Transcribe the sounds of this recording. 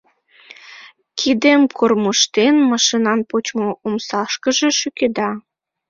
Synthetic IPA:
kʰid̪emkʰormɤʃt̪enmɑʃinɑnpot͡ɕmoomsɑʃkə̆ʒeʃyked̪ɑ

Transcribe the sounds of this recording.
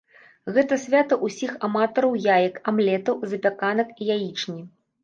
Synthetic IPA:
ɣɛt̪ɐsʲvʲat̪ɐʔusʲixamat̪ɐɾɐwjajɐkamlʲɛt̪ɐwzɐpʲakanɐkijajit͡ʂnʲi

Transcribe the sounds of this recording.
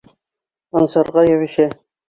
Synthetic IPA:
ɒnsɑɾʁɑjæβɘ̆ɕæ

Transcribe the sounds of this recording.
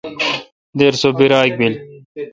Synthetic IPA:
d̪eːɾsobiɾaːk̚bil

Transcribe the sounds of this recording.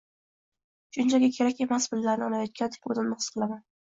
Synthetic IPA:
ʃʊnt͡ʃʰaɡʲakʲʰe̞ɾakʲe̞masbɪlːaɾnɪɒnajɒt̪̚kʲant̪ʰe̥pʲod̪ɪnmɑ̥qʰɨlˠaman

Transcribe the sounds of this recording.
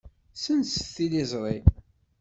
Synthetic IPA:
sənsθilizˤɾˤi

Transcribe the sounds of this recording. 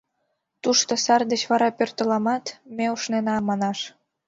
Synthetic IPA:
t̪uʃt̪osɑrd̪ət͡ɕβɑɾɑpørt̪ə̆lɑmɑt̪meuʃnenɑmɑnɑʃ

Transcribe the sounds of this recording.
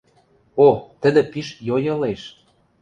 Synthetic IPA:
ot̪ə̆d̪ĕpiʃjojɤ̆leʃ

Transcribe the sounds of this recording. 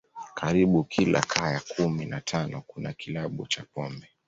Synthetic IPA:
kʰaɾiɓukʰila̰kʰaːjakʰuminatʰanɔkunakilaɓut͡ʃapɔmbɛ

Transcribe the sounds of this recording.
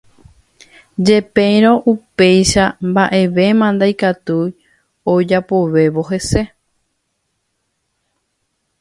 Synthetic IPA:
d͡ʒe̞pẽj̃ɾõ̞ʔupe̞jʃambaʔe̞ʋe̞mãnd̪ajkat̪uj | od͡ʒapo̞ʋe̞ʋo̞ɦe̞se̞

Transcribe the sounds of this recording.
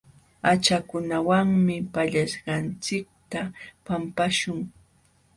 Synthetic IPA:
at͡ʃakʊnawaŋmɪpaʎaʃɢɑnt͡sɪk̚t̪apampaʃʊŋ

